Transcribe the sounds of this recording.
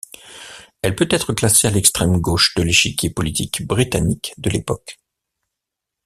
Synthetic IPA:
ɛlpøt̪ɛt̪χəklasealɛkst̪χɛmɡoʃd̪əleʃikʲepɔlit̪ʰikbʁit̪anikd̪əlepɔk

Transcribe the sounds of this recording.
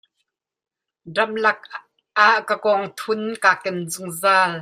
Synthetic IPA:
rɐmlɐk̚ | ʔaʔkakɔŋt̪ʰʊnkaːkɛnzʊŋzaːl

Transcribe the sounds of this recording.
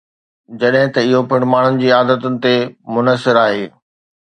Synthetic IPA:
d͡ʑɐɗɦɪ̃t̪ɐɪɦopɪɽ̤maːɳ̤ʊnɪ̆d͡ʑiːaːd̪ət̪ʊnɪ̆t̪emʊnəsɪɾaːɦeː

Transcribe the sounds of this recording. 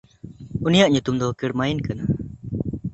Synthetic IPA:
unijaʔɲut̪umd̪ɔkiɽmajnkana

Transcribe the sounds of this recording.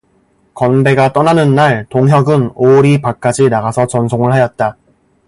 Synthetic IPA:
kʌnbe̞ɡat͈ʌnanɯnːaɭtoŋɦjʌɡɯnoɾipak͈̚ad͡ʑinaɡasʰʌt͡ɕʌnsʰoŋɯɭhajʌt̚t͈a

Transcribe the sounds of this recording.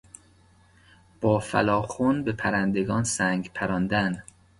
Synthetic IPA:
b̥ɒːfæ̰lɒːxonbepʰæɾænd̪e̞ɡɒːnsæŋɡpʰæɾɒːnd̪æn

